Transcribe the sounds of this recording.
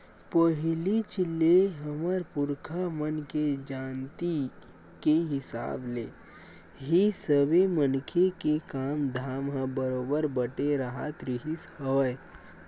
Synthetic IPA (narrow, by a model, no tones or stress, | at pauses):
pəɦlit͡ʃɪlːeɦəməɾpʊɾkʰamənked͡ʒaːnt̪i | keɦɪsa̰ːblḛː | ɦisəbemənkʰekekaːmd̪ʱaːmɦə̃bəɾoːbəɾbəʈeɾəɦat̪ɾiɦishəʋəe